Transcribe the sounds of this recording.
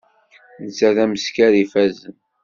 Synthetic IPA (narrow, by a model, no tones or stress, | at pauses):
nət͡sːæðæməskæɾifæzən